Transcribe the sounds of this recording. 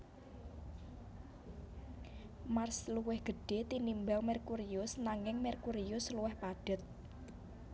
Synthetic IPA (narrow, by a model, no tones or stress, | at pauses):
marsluwɪhɡ̥ə̤ɖ̥e̤t̪inimbaŋmɛrkuɾiʊsnaŋɪŋmɛrkuɾiʊsluwɛhpaɖ̥ə̤t̪̚